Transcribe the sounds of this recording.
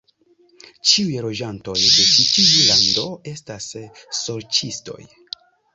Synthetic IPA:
t͡ʃiujlo̞d͡ʒanto̞jdet͡ʃitivulando̞e̞stasːo̞ɾt͡ʃisto̞̰j

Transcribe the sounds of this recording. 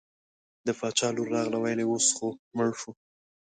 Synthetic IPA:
d̪əfɑt͡ʃɑluɾːɑɣlawajleosxoməɻʃu

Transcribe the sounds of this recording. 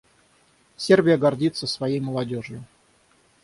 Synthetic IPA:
sʲerbʲɪjəɡɐrdʲit̪səsvɐjejməlˠɐdʲoʐjʊ

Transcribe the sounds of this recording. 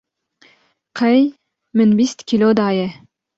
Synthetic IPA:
qʰæj | mɪnbist̪kʲilʲod̪ɑjə

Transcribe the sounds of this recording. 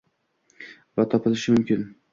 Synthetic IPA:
vat̪ʰɒpʰɪlɪʃɪmʊmkʲʰɪn

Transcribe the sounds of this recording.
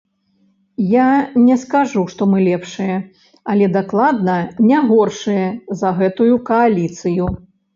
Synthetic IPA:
janʲɛskaʐuʂt̪ɔmɨlʲɛpʂɨjɛ | ɐlʲɛd̪aklˠad̪nɐnʲaɣɔrʂɨjɛzɐɣɛt̪ujukɐalʲit̪sɨju

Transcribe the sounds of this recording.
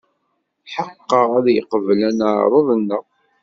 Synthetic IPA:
ħəqːəʁæðjəqəvlænaʕɾˤəðˤənːəʁ

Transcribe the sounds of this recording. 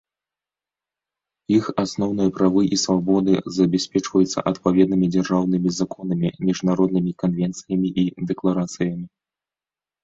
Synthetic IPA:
ixasnɔwn̪ɨjɐpɾavɨʔisvabɔd̪ɨzɐbʲɛsʲpʲɛt͡ʂvɐjut̪sɐ̰ʔɐt̪pavʲɛd̪̚nɨmʲid͡zʲarʐawnɨmʲizakʰɔnɐmʲimʲiʐnaɾɔd̪̚nɨmʲikanvʲɛnt̪sɨjɐmʲiʔid̪ɛklˠaɾat̪sɨjɐmʲi

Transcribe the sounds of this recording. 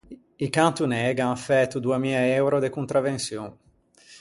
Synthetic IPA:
ikant̪unɛɡaŋafɛt̪ːud̪uamilaɛwɾod̪ekunt̪ɾavensjoŋ

